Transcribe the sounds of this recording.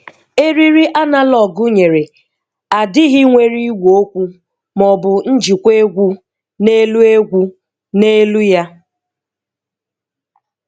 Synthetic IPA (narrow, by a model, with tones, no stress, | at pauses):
e˦ɾi˦ɾi˦ʔa˦na˦lɔ˨ɡʊ˦ɲe˨ɾe˨ | a˨dɪ˦ɦɪ˦ŋʷe˦ɾi˦ɡʷo˦kʷu˦ | mɔ˨bʊ˨n̩˦d͡ʒi˨kʷe˦ɡʷu˦ | ne˦lu˦e˦ɡʷu˦ | ne˦lu˦ja˦